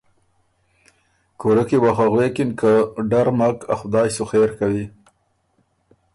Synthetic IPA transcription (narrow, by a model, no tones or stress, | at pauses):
koɾəkewaxaɣwekɪnkʰaɖaɾmakaxʊd̪ɑjsoxeɾkawi